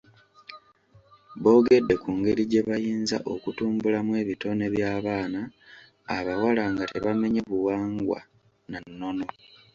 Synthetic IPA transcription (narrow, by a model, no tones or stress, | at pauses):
βo̞ːɡe̞dːe̞kuːŋɡe̞ɾiɟe̞βajiːnza̰ʔo̞kutuːmbulamwe̞ːβito̞ne̞βjaːβaːnaː | βawalaŋɡate̞βame̞ɲe̞βuwaːŋɡwa̰ | nanːo̞no̞